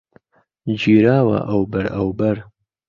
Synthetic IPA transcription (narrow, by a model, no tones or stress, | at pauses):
d͡ʒiːɾaːwɐ̰ʔɐwbɐɾɐwbɐɾ